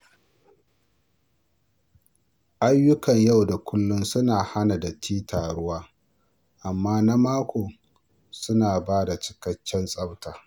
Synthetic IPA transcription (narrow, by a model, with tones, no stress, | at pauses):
ʔa˦jːʊ˦kɐ˨ɲja˦˨wda˨kʷʰʊ˦lːʊ˦nsʊ˦naː˨ha˦na˨da˨tʰiː˦tʰaː˨ɽʊ˦waː˦ | ʔa˨mːaː˦na˦maː˦kʷoː˨ | sʊ˦naː˨baː˦da˨t͡ʃɪ̥˦kɐ˦t͡ʃːɛ˦nsʼɐ˦wtaː˨